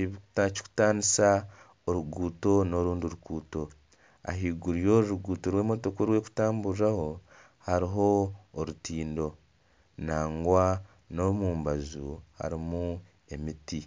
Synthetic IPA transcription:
iβici̥ku̥taːnisa | oɾuɡuːto̞no̞ɾuːnduɾukuːto̞ | a̰ɦiːɡuɾijo̞ːɾuɾuɡuːtoɾweːmoto̞koɾwe̞ːku̥taːmbuɾaho̞ | haɾiɦo̞ːɾutiːndo̞ | naːŋɡwa | no̞muːmbazuha̰ɾimu | e̞miti

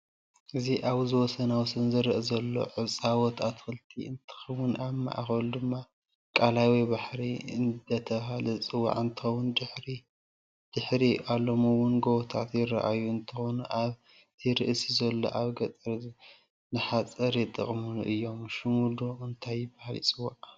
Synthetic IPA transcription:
ʔɨziʔaβzɨwɔsɐnawsɨnzɨɾɨʔzɐlːo̞̰ʕɨt͡sʼawɔt̪ʰat̪xɨlt̪ʰḭɨ̰nt̪ʰɨ̥xɐwʊnaβma̰ʔa̰xɐlud̪ɨmːa | kʼalawibaħɾiɨnd̪ɐt̪ʰɐβɦalɐt͡sʼɨwa̰ʕɨnt̪ʰɨ̥xɐwːʊnd̪ɨħɾi | d̪̥ɨħɾiʔalːomuwʊnɡowɔt̪ʰa̰t̪jɪra̰ʔajuɨnt̪ʰɨxonuʔaβ | t̪ʰiɾɨʔsizɐlːo̞̰ʔaβɡɐt͡s̪ʼɐɾ | nɨħat͡sʼɐɾjɪt̪ʼːɨ̰χʼmunʔɨjːo̞mʃumud̪oɨnt̪ʰajɪbahalḭt͡sʼɨwːaʕ

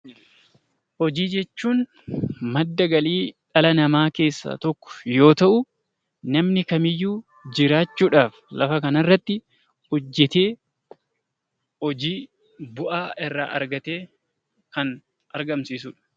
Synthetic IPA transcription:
hɔd͡ʒiːd͡ʒɛt͡ʃːuːn | mɐd̪ːɐɡɐliːᶑɐlɐnɐmaːke̞ːsːa̰ːt̪ɔkːɔ̥jo̞ːt̪ɐʔʊ | nɐmnɪkɐmɪjːuː | d͡ʒɪɾaːt͡ʃːuːᶑaːflɐfɐkɐnɐrːɐt̪ːɪ | ʊd͡ʒːɛt̪e̞ː | hɔd͡ʒiː | bʊʔaːɪrːa̰ːʔɐ̰ɾɡɐt̪eː | kɐn | ɐɾɡɐmsiːsʊᶑɐ̥

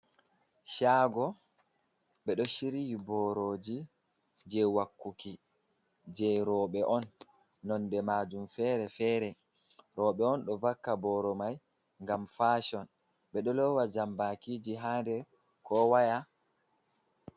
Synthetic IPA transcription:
ʃaːɡɔ | ɓɛɗɔʃiɾijbɔɾoːd͡ʒi | d͡ʒɛwakːuki | d͡ʒɛɾɔːɓɛʔɔnː | ɔndɛmaːd͡ʒumfɛːɾɛfɛːɾɛ | ɾɔːɓɛɔnɗɔvakːabɔɾɔmaj | ŋɡamfaːʃɔn | ɓɛɗɔlɔwad͡ʒambakiːd͡ʒiɦandɛ | kɔwaja

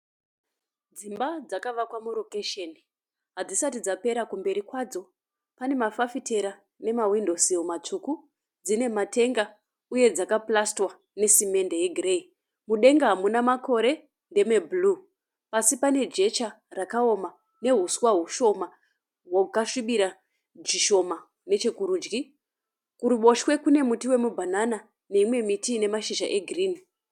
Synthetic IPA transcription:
d͡zimbad͡zakaʋakwamuro̞keʃeni | ɦad͡zisatid͡zape̞ɾakumbe̞ɾikwad͡zo̞ | pane̞mafafite̞ɾa | ne̞mawindo̞siomat͡ʂuku | d͡zine̞mate̞ŋɡa | uje̞d͡zakaplastwa | ne̞sime̞nde̞je̞ɡʱire̞i | muɗe̞ŋɡaɦamunamako̞ɾe̞ | nde̞mebulu | pasipane̞d͡ʒe̞t͡ʃa | rakao̞ma | ne̞ɦuswaɦuʃo̞ma | ɦwokaʂiɓiɾa | d͡ʒiʃo̞ma | ne̞t͡ʃekuɾuːd͡ʒɡi | kuɾuɓo̞ʃwe̞kune̞mutiwe̞mubʱanana | ne̞imwe̞mitiːne̞maʃiʒa̰ʔe̞ɡʱiriːni

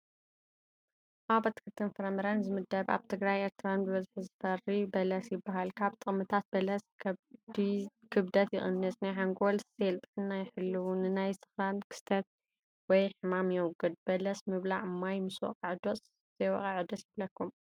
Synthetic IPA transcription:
ʔabɐt̪ʰːɨ̥kʰɨt̪ʰːɨnfɐɾɐmɐɾanzɨmɨd̪ɐβa̰βt̪ʰɨɡɾajeɾt̪ʰɨɾanbɨβɐzħzɨfɐrːibɐlɐsjɪbːaɦalkʰaβt̪ʼɨχʼmːɨt̪ʰat̪̚bɐlɐs | ikʰɨbd̪ɐt̪jɪ̰χʼɨnːɨsnajħaŋɡolselt̪ʼħɨnːajɪħɨlːɨwunɨnajsɨ̥xɾankʰɨ̥st̪ʰɐt̪̚ | wɔjħɨmamjɛwɡɨd̪̚b̥ɐlɐsmɨβlaʕɨmːajmɨswɔ̰qʼɐʕɨd̪os | z̥ɐjwɔ̰kʼɐʕɨd̪osjɪblɐkːum

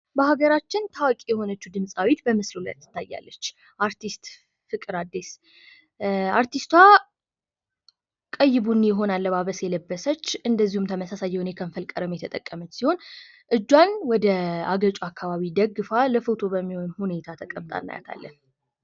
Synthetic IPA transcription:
bəaɡəɾat͡ʃːɪnt̪ʰawkʼijɛho̞nət͡ʃːud̪ɨmsʼawit̪bəmɨslula̰ɾt̪ːɨ̥t̪ːajːa̰lːət͡ʃː | ʔaɾt̪ist̪ | fɨkʼɨɾad̪ːes | aɾt̪ʰist̪wa | kʼəjːɪβunːjɛɦo̞nalːəβaβəsjɛləbːəsət͡ʃːɨnd̪əzːihumt̪ʰəməsasajːɛwunekʰəmfəlkʼːəɾəmjɛt̪ʰət̪ʼəkʼːəmət͡ʃːsiho̞n | ʔɨd͡ʒːwanwɔd̪əa̰ɡət͡ʃʼuakʰːaβaβid̪əɡɨfaləfɨt̪ʰo̞bəmːihonhune̞t̪ʰat̪ʰəkʼəmt̪ʼa̰nːa̰ja̰t̪ʰa̰lːə̰n

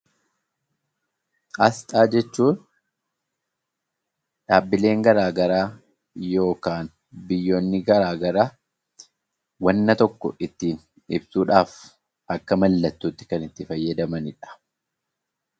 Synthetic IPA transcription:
ʔɐst̪ʼaːd͡ʒɛt͡ʃːuːn | ᶑaːbːɪle̞ːŋɡɐɾaːɡɐɾaː | jo̞ːkaːn | bɪjːo̞ːnːɪɡɐɾaːɡɐɾaː | wɐnːɐt̪ɔkːɔ̰ʔɪt̪ːiːn | ɪbsuːᶑaːf | ʔɐkːɐmɐlːɐt̪ːuːt̪ːɪ̥kɐnɪt̪ːɪfɐjːɐd̪ɐmɐnɪᶑɐ̥

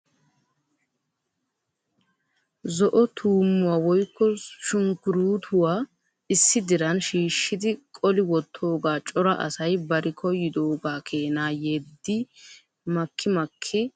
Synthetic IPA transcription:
zɔʔɔt̪ʰuːmːʊwaːwɔjkːɔʃʊŋkʊɾuːt̪ʰʊwaː | ɪsːɪd̪ɪɾɐnʃiːʃːɪd̪ɪkʼɔlɪwɔt̪ʰːo̞ːɡaːt͡ʃʼɔɾɐʔɐ̰sɐjbɐɾɪkʰɔjɪd̪o̞ːɡaːkʰeːnaːjeːd̪ːɪ | mɐkʰːɪmɐkʰːɪ

